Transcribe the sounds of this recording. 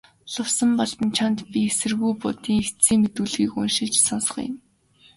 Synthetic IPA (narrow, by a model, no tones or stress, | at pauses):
ɮʊwsə̆mpɔɮt̪ə̆nt͡ɕʰant̪pʲiesɘ̆rɣujpʊt̪iːŋext̪t͡siːŋmet̪uːɮɣiːkʊ̰nʃɪ̆ɮt͡ɕsɔnsɞ̥̆χ̆jɪ̰m